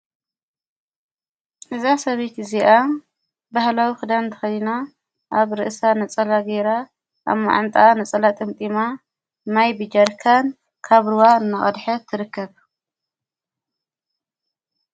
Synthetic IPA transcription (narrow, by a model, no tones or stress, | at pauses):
ʔɨzasɐβejt̪ɨziʔa | bahlawixɨd̪ant̪ʰɨ̥xɐjna | ʔaβɾɨʔsanɐt͡sʼɐlaɡeɾa | ʔa̰βma̰ʕa̰nt̪ʼanɐt͡sʼɐlat̪ʼɨmt̪ʼima | majbɨd͡ʒɐɾkʰan | kʰaβɾɨwaɨnːaχʼɐd̪ħɐt̪ʰːɨɾɨkːɐβ